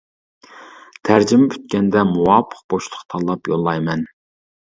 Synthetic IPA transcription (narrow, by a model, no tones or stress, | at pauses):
t̪ʰæɾd͡ʒimɪbʰy̥t̪̚kʲɛnd̪ɛmuwɑːpʰə̥q̚b̥oʃlˠəqt̪ʰɑlˠɑpjolˠːɑjmɛn